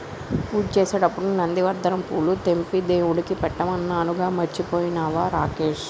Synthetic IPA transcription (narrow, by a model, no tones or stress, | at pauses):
puːt͡ʃeːseːɽɐpːuɽunɐnd̪iʋɐɾd̪ɐɾɐmpuːlut̪empid̪eːwuɽikipɛʈːɐmɐnːaːnuɡaːmɐt͡ʃːipoːjinaːʋaːɾaːkeːʃ